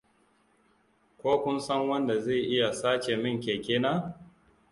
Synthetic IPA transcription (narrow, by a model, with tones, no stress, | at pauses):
kʷoː˦kʷʊ˦nsɐ˦ŋwɐ˦nda˨ze˦˨ʔɪ˦ja˨saː˦t͡ʃe˨mɪ˦˨ŋkʲeː˨kʲeː˦naː˦